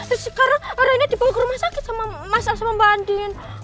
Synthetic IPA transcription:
sikaɾoɔɾainad̪ibawakəɾumasakɪt̪samamasaŋsamamband̪in

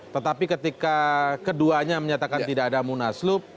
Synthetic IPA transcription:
t̪ət̪apikət̪ikakəduaɲaməɲat̪akant̪idaːdamunaslʊp̚

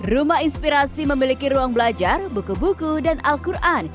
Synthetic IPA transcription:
rumahinspiɾasiməmilikiɾuaŋbəlad͡ʒarbukubukudanalkurʔan

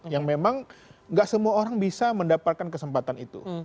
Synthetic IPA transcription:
jaŋmemaŋŋɡaʔsəmuaoɾaŋbisaməndapat̪̚kankəsəmpat̪anit̪ṵ

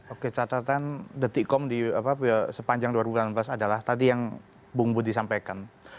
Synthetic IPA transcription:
oket͡ʃat̪at̪andət̪ikɔmdiapapsəpaɲd͡ʒaŋduwaɾibulanmblasadalaht̪ad̪ijaŋ | buŋbʊt̪̚disampajkan

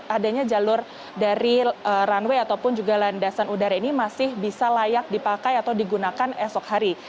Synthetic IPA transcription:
adaɲad͡ʒalʊr | daɾiəranweat̪awpʊnd͡ʒuɡalandasanudaɾainimasɪhbisalajak̚dipakajat̪awdiɡunakanɛsɔkhaɾi

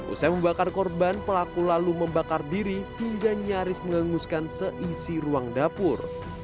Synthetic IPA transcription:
ʔṵsaməmbakarkɔrbanpəlakulaluməmbakardiɾihiŋɡaɲaɾɪsməŋaŋuskansəʔisiruaŋdapʊr

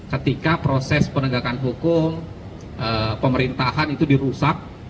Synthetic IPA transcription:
kət̪ikapɾosɛspənəɡakanɦukʊm | ʔəpəməɾint̪aɦanit̪udiɾusak̚

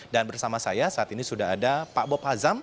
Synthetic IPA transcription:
danbərsamasajasaat̪inisudaɦadapabɔphazam

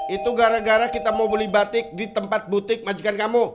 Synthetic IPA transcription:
it̪uɡaɾaɡaɾakit̪amaubolɪhbat̪ɪk̚dit̪əmpat̪̚but̪ɪk̚mad͡ʒukankamu

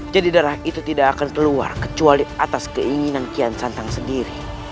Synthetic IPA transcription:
d͡ʒadidaɾahit̪ut̪idaːkankəlua̰rkət͡ʃualiat̪askəʔiŋinankiansant̪aŋsəndiɾi

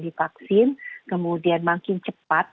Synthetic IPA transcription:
difaksɪnkəmudianmaŋkɪnt͡ʃəpat̪̚

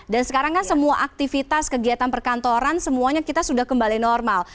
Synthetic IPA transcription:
dansəkaɾaŋkansəmuaʔak̚t̪ifit̪askəɡiat̪anpərkant̪oɾansəmuaɲakit̪asudahkəmbalinɔrmal

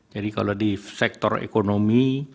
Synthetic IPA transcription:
d͡ʒadika̰lodisɛk̚t̪ɔrḛkonomi

